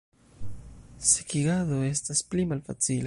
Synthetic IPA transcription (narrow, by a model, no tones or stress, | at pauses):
sekiɡaðoe̞stasplimalfa̰t͡sila